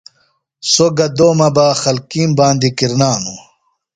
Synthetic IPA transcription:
soɡɐd̪oːmɐbaːxɐlkiːmbaːnd̪ikiɾnaːnu

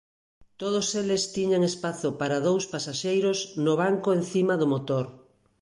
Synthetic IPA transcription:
t̪oð̞oselest̪iɲaŋespaθopaɾaðowspasaʃejɾosnoβ̞aŋkoenθimaðomot̪oɾ

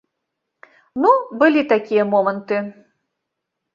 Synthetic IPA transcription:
nubɨlʲit̪akʲijəmomənt̪ɨ

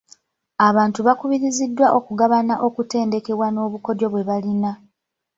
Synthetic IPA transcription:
aβaːntuβakuβiɾizidːwaʔo̞kuɡaβanaʔo̞kute̞ːnde̞ke̞βwano̞ːβuko̞djo̞βwe̞βalina

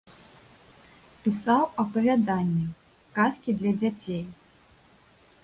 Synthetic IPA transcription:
pʲisawɐpɐvʲad̪anʲːɛ | kaskʲid̪lʲɐd͡zʲat͡sʲej

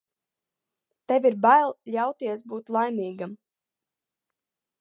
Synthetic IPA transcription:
t̪ɛvʲiɾbajlˠʎʲawt̪iɛs̬buːt̪lˠajmʲiːɡam

